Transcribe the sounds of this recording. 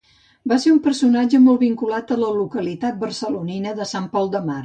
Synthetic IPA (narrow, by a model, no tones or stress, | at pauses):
baseumpəɾsunad͡ʒəmɔlˠβiŋkulat̪ələlukəlit̪at̪̚bərsəluninəðəsampɔlˠd̪əmar